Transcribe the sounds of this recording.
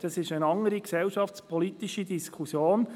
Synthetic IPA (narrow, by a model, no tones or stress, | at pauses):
d̥ɑsɪʃənɑŋəɾiksɛlʃɑftspʰɔlit̪iʃidiskʰusjoːn